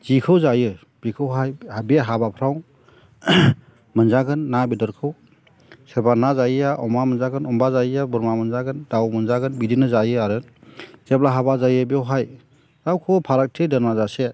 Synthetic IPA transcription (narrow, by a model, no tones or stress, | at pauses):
z̥ikʰɯwzajɯ | b̥ikʰɯwɦajhabiɦabapʰɾaw | mɯnzaɡɯnːabidɔɾkʰɯw | sebanazajjaʔɔmamɯnzaɡɯnɔmbazajjabɯɾmamɯnzaɡɯndawmɯnzaɡɯnbidinɯzajɯaɾɯnz̥ep̚laɦabazajɯbiɔwɦaj | zawkʰɯwpʰaɾak̚tʰedɯɾmazase